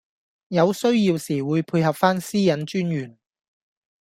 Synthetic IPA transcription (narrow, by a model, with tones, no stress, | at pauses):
jɐ˨˧wsɵ˥ɥjiː˧wsiː˨˩wuː˨˧jpʰuː˧jɦɐ˨p̚faː˥nsiː˥jɐ˨˥nt͡ʃyː˥njyː˨˩n